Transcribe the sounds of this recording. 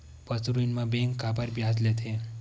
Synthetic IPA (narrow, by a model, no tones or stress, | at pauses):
pəsɾuinmãbeŋkːabaɾbjad͡zlet̪ʰe